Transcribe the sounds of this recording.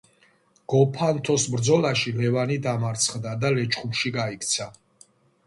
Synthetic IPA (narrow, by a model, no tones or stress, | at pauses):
ɡ̥ɔpʰant̪ʰɔsbɾd̪zɔlaʃilɛvanid̪amaɾt̪sʰχd̪ad̪alɛt͡ʃʰχumʃiɡaikʰt̪sʰa